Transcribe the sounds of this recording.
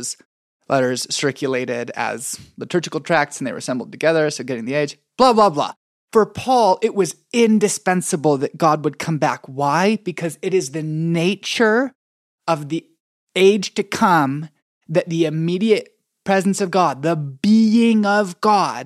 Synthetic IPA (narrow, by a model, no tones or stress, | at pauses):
z̥ | lʔɛɾə˞z̥sɜ˞kʰjɨleɪɾɪɾɨ̰z̥ðətʰɜ˞d͡ʒɨkl̩ˠtʰɹ̥æk̚tsn̩ðeɪə̰˞sɛ̃mbl̩ˠd̚tʰɨɡɛðə˞soʊɡɛɾɪ̃ŋðieɪd̥ʒ̥ | b̥lɑblɑblɑ̰ | fə˞pʰɔlˠɪʔ̚wʌz | ɪ̃ndɨspɛ̃nsəbl̩ˠðɨt̚ɡ̥ɑd̚wəd̚kʰʌ̃mbækwaɪb̥ɨkʰʌzɨɾɨzðɨneɪt͡ʃə˞ | ʌvði | eɪdʒ̥tɨkʰʌ̃m | ðɨt̪̚ðiɨmiɾiɨt̚ | pʰɹ̥ɛzn̩sʌvɡɑd̪̚ðəbiɪ̃ŋʌvɡɑd̥